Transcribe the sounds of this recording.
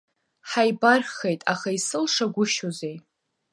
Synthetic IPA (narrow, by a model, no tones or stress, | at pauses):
ħajbarχejtʼaχaisɨlʂaɡʷʊʃoze̞j